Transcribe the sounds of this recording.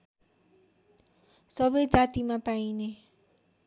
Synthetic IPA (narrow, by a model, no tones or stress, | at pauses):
sʌbʌjd͡zat̪imapaine